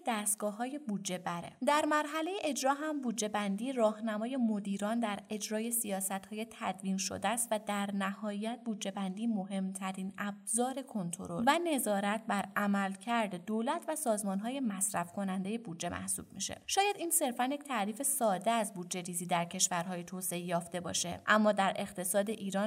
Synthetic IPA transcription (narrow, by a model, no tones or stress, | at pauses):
d̪æst̪̚ɡ̥ɒːhɒːje̞bud̪d͡ʒe̞bæɾḛd̪æɾmæɾɦæle̞jeʔed͡ʒɾɒːɦæmbud̪d͡ʒe̞bænd̪iːɾɒːhnæmɒːje̞mod̪iːɾɒːnd̪æɾe̞d͡ʒɾɒːje̞sijɒːsæt̪hɒːje̞t̪ʰæd̪viːnʃo̰d̪æːst̪væd̪æɾnæhɒːjæt̪̚buːd̪d͡ʒe̞bænd̪iːmo̞ɦe̞mt̪ʰæɾiːnæbzɒːɾe̞kʰo̞nt̪ʰo̞̰ɾo̞llvæne̞zɒːɾæt̪̚bæɾʔæmælcʰæɾd̪ed̪olæt̪ʰvæsɒːzmɒnɦɒːje̞mæsɾæfkʰo̞nænd̪e̞jebuːd̪d͡ʒe̞mʔæ̰hsṵːb̥̚mḭʃḛʃɒːjæd̪iːnse̞ɾfænjecʰʲt̪ʰæɾiːfe̞sɒːd̪eæzbuːd̪d͡ʒe̞ɾiːziːd̪æɾcʰe̞ʃvæɾɦɒːje̞t̪ʰoːse̞ejɒːft̪e̞bɒ̰ːʃe̞̰ʔæmːɒːd̪æɾʔe̞ɣt̪ʰe̞sɒːd̪e̞ʔiːɾɒːn